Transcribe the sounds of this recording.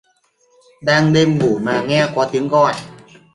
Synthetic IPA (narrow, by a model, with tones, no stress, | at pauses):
da˧ŋde˧mɡuː˨˩maː˧ŋɛː˥˩kwaː˧t̪ʰi˨˦əŋkɔː˧˩n